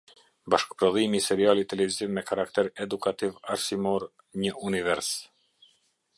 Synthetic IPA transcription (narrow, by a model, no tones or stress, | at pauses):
baʃkpɾɔðimisɛɾialit̪ɛlɛvizivmɛkaɾakt̪ɛɾɛd̪ukat̪ivaɾsimɔɾ | ɲəunivɛɾs